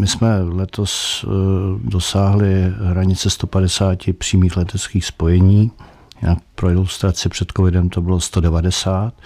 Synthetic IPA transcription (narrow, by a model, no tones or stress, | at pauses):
mɪsmɛlɛt̪os | do̞saːɦlɪɦɾaɲɪt͡sɛst̪o̞padɛsaːcɪpr̥iːmiːxlɛt̪ɛt͡skiːxspo̞jɛɲiː | jaːpɾoɪlust̪ɾat͡sɪpr̝̥ɛt̪kovɪdɛmt̪o̞bɪlost̪odɛvadɛsaːt̪